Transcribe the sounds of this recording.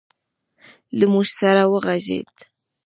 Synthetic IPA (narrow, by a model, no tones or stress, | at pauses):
ləmʊʃsaɾawəʁɑʒḛːt̪